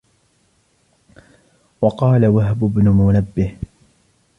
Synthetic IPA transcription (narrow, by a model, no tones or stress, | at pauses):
wɑqɑːlawaɦbʊbnʊmʊnabːɪh